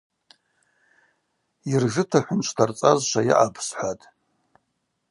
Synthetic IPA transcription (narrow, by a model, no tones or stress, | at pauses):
irʒʷɨtʰaħʷʊnt͡ʃʷʰtʰart͡sʼazʃʷaja̰ʔapʰsħʷatʼ